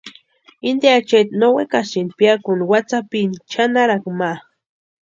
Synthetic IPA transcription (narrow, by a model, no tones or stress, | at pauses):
ind̪jat͡ʃet̪nowekasin̚pjakunwat͡sapint͡ʃanaɾakma